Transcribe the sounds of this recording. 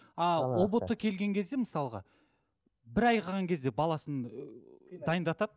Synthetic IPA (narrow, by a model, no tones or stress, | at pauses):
ɑwobot̪ːəkʲʰe̞lɡʲe̞ŋkʲʰe̞zd̪e̞məsɑlˠəʁɑ | bɪɾɑjqʰɑʁɑŋkʲʰe̞zd̪e̞bɑlˠɑsən | d̪ɑjənd̪ɑt̪ɑd̪̚